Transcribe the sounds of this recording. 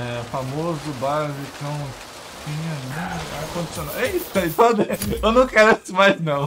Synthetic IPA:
ɛfamozʊbazikɐ̃w̃ | k̪ẽj̃aĩakõd͡ʒ̪isonawʔeisd̪aipɔd̪eewnɐ̃w̃keɾesɪmajznɐ̃w̃

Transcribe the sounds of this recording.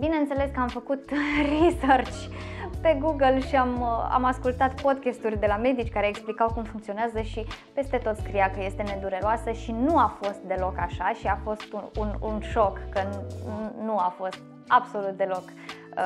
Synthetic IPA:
bineɨnt̪sele̞skəamfəkut̪risərt͡ʃʲpe̞ɡuɡəlʃiama̰maskult̪at̪po̞d̪̚kʲest̪urʲd̪e̞lame̞d̪it͡ʃʲkaɾe̞ːksplikawkumfuŋkt̪sio̞neazəʃipe̞st̪e̞t̪o̞t̪skɾijakəje̞st̪e̞ne̞d̪uɾeɾoasəʃinuafo̞st̪̚d̪e̞lo̞kaʃaʃiafo̞st̪uṵnṵnʃo̞kːə | nuafo̞st̪̚ | abso̞lut̪̚d̪e̞lo̞k

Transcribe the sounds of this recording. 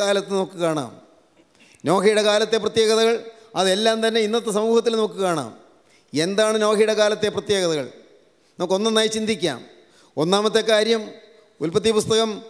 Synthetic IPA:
kaːlɐt̪ːɨnoːkːɨkaːɳa̰ːm | no̞ːkʰɐjɽekaːlɐt̪ːe̞prɐt̪jeːɣɐðɐɣɐɭ | ɐðe̞lːaːmt̪ɐnːe̞inːɐt̪ːesɐmuːhɐt̪ːilnɐmkːɨkaːɳa̰ːm | e̞nd̪aːɳɨno̞ːkʰijɽekaːlɐt̪ːe̞prɐt̪je̞ːɣɐðɐɣɐ̰ɭ | nɐmukːo̞nːɐnaːjt͡ɕind̪ʱikʲːa̰ːm | o̞nːaːmɐt̪ːe̞kaːɾjɐm | ulpɐt̪ːipust̪ɐɣɐm

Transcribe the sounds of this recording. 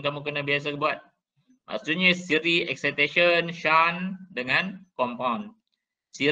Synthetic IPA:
kamũkənãbias̬akəbuat̪̚ | ma̰sut̪̚ɲasiɾiɛksat̪aʃənʃandəŋãnkɔmpawn | si

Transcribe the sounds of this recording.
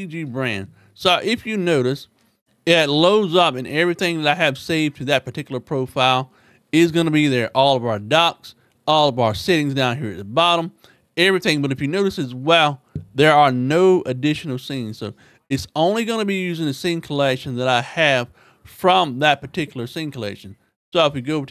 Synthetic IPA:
id͡ʒibɹæ̃nd̥ | soʊʔɪfjɨnoʊɾɨs | ɨtˡloʊdzʌpɨ̃nɛvɹiθɪ̃ŋðɨɾaɪɨv̥seɪv̥tʰɨðɨt̚pʰə˞tʰɪkjl̩ˠə˞pʰɹ̥oʊfaɪlˠ | ɪzɡʌnɨbiðə˞ʔɔlˠʌvaʊə˞dɑks | ɔlˠʌvaʊə˞sɪɾɪ̃ŋzdãʊ̃nhiɹɨt̪̚ðəbɑɾə̃m | ɛvɹiθɪ̃ŋbʌɾɨfjɨnoʊɾɨsɨzwɛlˠðə˞ə˞noʊʔɨdɪʃn̩l̩ˠsĩnz̥soʊ | ɨtsõʊ̃nliɡʌñɨbijʉzɪ̃ŋɨsẽnkʰəlɛkʃn̩ðəɾaɪɨv̥ | fɹʌ̃mðɨt̚pʰə˞tʰɪkjl̩ˠə˞sĩnkʰəlɛ̰kʃn̩ | soʊəfwiɡoʊ

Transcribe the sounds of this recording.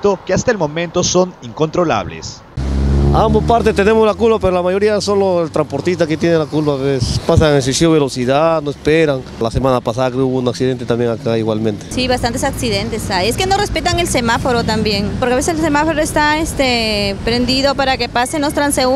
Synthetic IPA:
t̪okeast̪aelmõ̞mẽ̞nt̪osoniŋko̞nt̪ɾola̰βlḛs | ambospaɾt̪est̪enemozlakulpapeɾolamaʝo̞ɾiaso̞loelt̪ɾampoɾt̪ist̪aket̪jenelakulpaβesespasaŋes̬esioβelosiðanoespeɾaŋ | lasemanapasaðakeuβunaksiðe̞nt̪eambjeŋakaiɣwalmẽnt̪e̥siβast̪ant̪esaksiðe̞nt̪e̞sajeskeno̞re̞spe̞t̪aŋe̞lse̞mafo̞ɾo̞t̪ambje̞ŋpoɾkeaβe̞s̬eselsemafoɾoest̪aest̪epɾe̞nd̪iðo̞paɾake̞pasenost̪ɾanse

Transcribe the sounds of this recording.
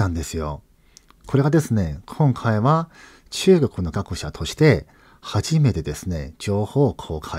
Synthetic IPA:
ãnd̪e̞sɨjo̞̰ | kʰo̞ɾe̞ɡad̪e̞sɨne̞kʰõ̞ŋkʰaiβa | t͡ɕɨːɡo̞kɯ̟no̞ɡakɯ̟ɕat̪ʰo̞ɕi̥t̪e̞ | haʑime̞t̪e̞d̪e̞sɨne̞̰d͡ʑo̞ːho̞ːkʰoːkʰai

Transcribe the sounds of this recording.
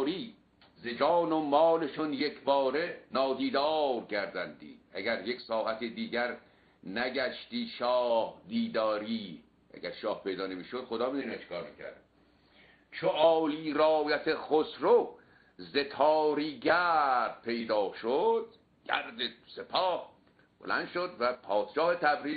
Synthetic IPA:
ɾiː | zed͡ʒɒːnomɒːleʃonjekʰbɒːɾenɒːd̪iːd̪ɒːɾkʰæɾd̪ænd̪ḭːd̪æɡæɾjeksɒːhæt̪ʰid̪iːɟæɾ | næɡæʃt̪iːʃɒːhd̪iːd̪ɒːɾiː | ʔæ̰ɡæɾʃɒːhpe̞jd̪ɒːnemiːʃod̪̥χod̪ɒːmiːd̪unæt͡ʃʰe̥kɒːɾmḭkʰæ̰ɾd̪ | t͡ʃʰoʔɒːliːɾɒːjæt̪ʰeχosɾo | ze̞t̪ʰɒːɾiːɟæɾd̪̥̚pʰe̞jd̪ɒːʃod̪̥ | ɡ̥æ̰ɾd̪ese̞pʰɒːh | b̥o̰læ̰nd̪ʃod̪væpʰɒːd̪̥ʃɒːhet̪ʰæbɾiː

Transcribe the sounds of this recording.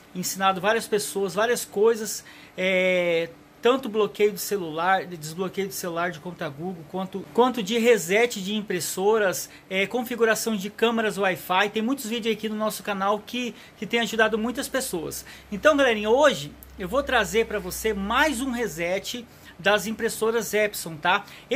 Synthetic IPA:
ẽsinad̪ʊvaɾiɐspesoɐzvaɾiɐskojzɐs | ɛ | t̪ɐ̃nt̪ʊblokejʊd̪ʊselulaɾd͡ʒɪzblokejʊd̪ʊselulaɾd͡ʒɪkõt̪ʊɐɡuɡowkwɐ̃nt̪ʊkwɐ̃nt̪ʊd͡ʒɪɦezɛt͡ʃɪd͡ʒɪĩpɾesoɾɐs | ɛkõfiɡuɾasɐ̃w̃d͡ʒɪkɐ̃mɐɾɐzʊajfajt̪ẽj̃mũj̃t̪ʊzvid͡ʒɪʊzakinʊnɔsʊ̥kanawkɪ | kɪt̪ẽj̃aʒud̪ad̪ʊmũj̃t̪ɐspesoɐ̰sẽnt̪ɐ̃w̃ɡalɛɾĩɲɐoʒɪ | ewvot̪ɾazeɾpɾɐvosemajzũɦezɛt͡ʃɪ | d̪ɐzĩpɾesoɾɐzɛpsõw̃t̪a

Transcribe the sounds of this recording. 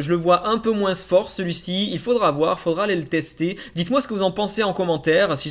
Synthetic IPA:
ʒələvwaʔɛ̃pømwɛ̃sfɔʁsəlɥisiilfod̪ʁavwaʁifod̪ʁalelət̪ɛst̪e | d̪it̪mwasə̥kəvuzɑ̃pɑ̃seɑ̃kɔmɑ̃t̪ɛːʁsiʒ

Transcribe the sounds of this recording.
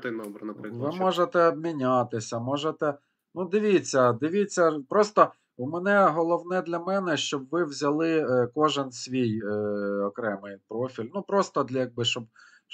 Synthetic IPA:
t̪ɪnɔbɾɐnɐpɪʋɪmɔʒet̪ɛbmʲinʲat̪ɪsʲɐmɔʒet̪ɛ | nud̪ɪʋʲit͡sʲːɐd̪ɪʋʲit͡sʲːɐpɾɔst̪ɔ | umɛnɛɦɔlˠɔwnɛd̪lʲɐmɛnɛʃt͡ʃɔbʋɪwzʲɐlˠɪkɔʒɪnsʲʋʲijɔkɾɛmɪjpɾɔfʲilʲnupɾɔst̪ɔd̪lʲɐjɐɡ̚bɪʃt͡ʃɔb

